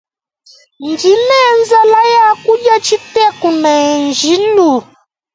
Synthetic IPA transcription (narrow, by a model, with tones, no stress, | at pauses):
ndi˨˦nɛ˦nza˦la˦ja˦ku˦ʄa˦t͡ʃi˦tɛ˦ku˨na˨nd͡ʒi˨˦lu˨